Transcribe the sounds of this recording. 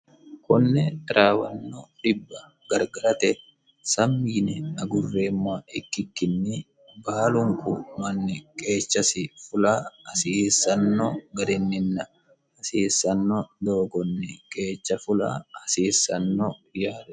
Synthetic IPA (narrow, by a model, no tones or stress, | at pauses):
kʰʊnːɛɾʔaːwɐnːoᶑɪbːɐ | ɡɐɾɡɐɾɐt̪ɛ | sɐmːiːnɛnɐɡʊrːeːmːaɪkːɪkːɪnːɪ | baːlʊŋkʊmɐnːɛkʼe̞ːt͡ʃːɐsɪfʊlahɐsiːsɐnːoɡɐɾɛnːɪnːɐ | hɐsiːsːɐnːod̪oːɡɔnːɛkʼe̞ːt͡ʃːɐfʊla̰ːhɐsiːsɐnːojaːɾɛ